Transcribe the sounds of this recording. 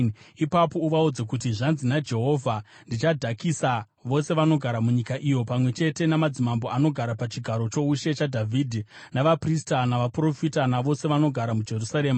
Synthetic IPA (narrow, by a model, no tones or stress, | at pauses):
ipapo̞uʋaud͡zek̬ut̬iʐanzinad͡ʒe̞ɦo̞vʱa | ndit͡ʃadʱakisa | ʋo̞se̞ʋano̞ɡʱaɾamuɲikaʔijo̞pamwe̞t͡ʃe̞te̞namad͡zimambo̞ano̞ɡʱaɾapat͡ʃiɡʱaɾo̞t͡ʃo̞uʃe̞t͡ʃadʱavʱidʱinaʋapristanaʋapro̞fitanaʋo̞se̞ʋano̞ɡʱaɾamud͡ʒe̞rusaɾe̞ːma